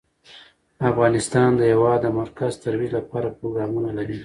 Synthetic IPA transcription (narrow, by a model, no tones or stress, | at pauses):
afɣɑnɪst̪ɑnd̪əjawɑd̪əmaɾkazt̪aɾwid͡ʒlapɑɾapɾoɡɾɑmunalaɾi